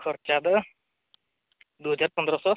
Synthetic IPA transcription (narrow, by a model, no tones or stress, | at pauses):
kʰɔɾt͡ʃad̪ə | d̪uɦɔd͡ʒaɾpɔnd̪ɾɔsɔ